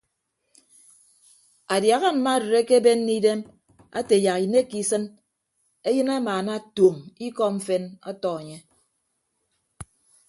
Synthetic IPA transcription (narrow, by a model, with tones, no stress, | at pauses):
a˨dja˨ɣa˦˨m̩˨ma˦˨dɨ˨ɾe˦ke˦be˦nː˦i˦de˦m | a̰˦te˨ja˨ki˨ne˦ki˦sɨ˦n | e˦jɨ˦na˦maː˨na˦˨to˨mi˦kɔ˦ɱ̩˦fe˦nɔ̰˦tɔ˦e˨ɲe˦